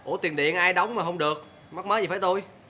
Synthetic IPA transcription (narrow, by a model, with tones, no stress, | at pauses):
ʔo˧˩t̪i˨˩nɗḭ˧˨ənʔaː˧jɗɔ˨˦wŋ͡mmaː˨˩hə˧wŋ͡mɗɨ˨˩ək̚ | ma˦˥k̚məː˨˦jzi˨˩faː˧˩jt̪o˧j